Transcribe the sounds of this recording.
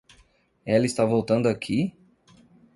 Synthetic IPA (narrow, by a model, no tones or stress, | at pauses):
ɛlɐist̪avowt̪ɐ̃nd̪ʊakʰi